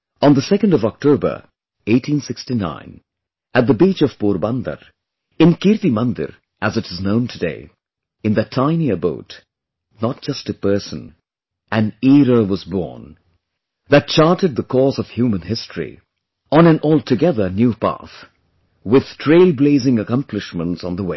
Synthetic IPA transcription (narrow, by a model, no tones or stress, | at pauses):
ə̃nðəsɛkə̃ndʌvɔk̚tʰoʊbə̰˞ | eɪtʰĩnsɪkstinã̰ɪ̃n | ɨt̪̚d̪əbit͡ʃʌv̥puɾbʌ̃nd̪ə̰ɾ | ɨ̃nkiɾt̪imʌ̃nd̪ə̰ɾ | ʔæzɨɾɨznõʊ̃ntʰɨdeɪ | ɨ̃nðɨtʰãɪ̃niəbo̰ʊt | nət̚d̥ʒ̥ʌstɨpɜ˞sə̰̃n | ɨ̃niɾəwʌzbɔ̰ɹn | ðɨt̚t͡ʃɑɹtɨd̪̚ðəkʰɔzʌv̥hjumə̃nɦɪstʰɹ̥ḭ | ə̃nɨ̃nʔɔlˠtʰɨɡɛðə˞njupæ̰θ | wɪð̥tʰɹ̥eɪlˠbleɪzɪ̃ŋəkʌ̃mpʰlɨʃmə̃ntsn̩ðəwḛɪ